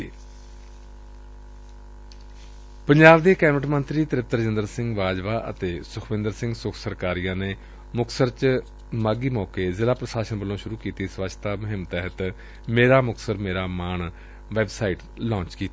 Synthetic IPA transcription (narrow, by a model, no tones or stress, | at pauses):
pəɲd͡ʒaːbd̪eːkɛːməʈmənt̪ɾiːt̪əɾɪp̚t̪əɾəd͡ʒɪnd̪əɾsɪ̃ŋɡʋaːd͡ʒʋaːʔə̰t̪eːsʊkʰʋɪ̃nd̪əɾsɪ̃ŋɡsʊkʰsəɾkaːɾijãːneː | mʊksəɾt͡ʃ | maːɡiːmɔːkeːzɪlaːpɾəʃaːʃənbəlːõːʃʊɾuːkiːt̪iːsʋəʃt̪aːməɦɪmt̪ɛːɦət̪ | meːɾaːmʊksəɾmeːɾaːmaːɳ | ʋɛːbsaːiʈ | lɔ̃ːt͡ʃkiːt̪a